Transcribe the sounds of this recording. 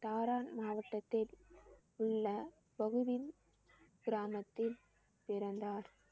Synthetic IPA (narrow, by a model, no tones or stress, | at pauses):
t̪aːɾaːnmaːʋɐʈːɐt̪ːɪl | ʊɭːɐ | bɐɣɯʋɪn | ɡ̥ɪɾaːmɐt̪ːɪl | pɪɾɐnd̪aːɾ